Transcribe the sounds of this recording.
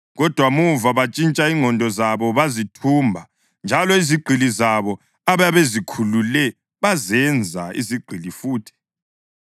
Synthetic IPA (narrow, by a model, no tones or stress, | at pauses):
ɣɔd̥ʱwamuvaβat͡ʃʼint͡ʃʼaiŋɔndʱɔzaβɔβazitʰumbʱa | nd͡ʒʱalɔiziɡ͡ǃʱilizaβɔ | aβajaβezikʰululɛ | βazɛnd͡zʱaḭziɡ͡ǃʱilifuːtʰi̥